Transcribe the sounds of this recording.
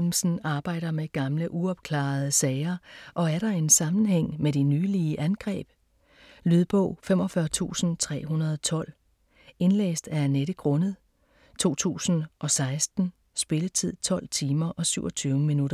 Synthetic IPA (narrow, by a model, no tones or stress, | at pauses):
m̩sn̩ɑ̈ːb̥ɑ̈ɪ̰ɾɐmeɡ̥ɑ̈mləʔuɒ̽b̥̚kʰlɑ̰̈ːð̞̩ˠəsɛɪɐʔɒ̽æɐɾɑ̈e̝nsɑ̈mn̩ɦeŋ̰meɾinyːliəʔænɡ̥ʁɛ̰ːb̥ | lyðˠb̥ɔ̰̽ʊfem̰ɒ̽fɶɐt͡sʰṵːsn̩t͡sʰʁɛ̰ːɦunɐð̞ˠɒt͡sʰɒ̽l̰ | e̝nlḛːsd̥æɐneɾəɡ̥ʁɔ̽nəð̩ˠ | t͡sʰo̝̰ːt͡sʰṵːsn̩ʔɒ̽sɑ̈ɪsd̥n̩ | sb̥e̝lət͡sʰið̞̰ˠt͡sʰɒ̽l̰t͡sʰiːmɐʔɒ̽syʊɒ̽t͡sʰyːʊəminuɾɐ